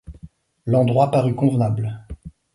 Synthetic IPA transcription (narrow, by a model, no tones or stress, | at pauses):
lɑ̃d̪ʁwapaʁykɔ̃vnabl